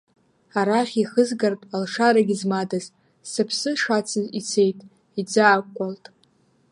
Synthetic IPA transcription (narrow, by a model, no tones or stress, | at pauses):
aɾaχʲiχəzɡartʼalʂaɾaɡʲizmadaz | sɨpʰsɨʂat͡sʰɨzit͡sʰe̞jtʼ | id͡zaːkkʷʼaltʼ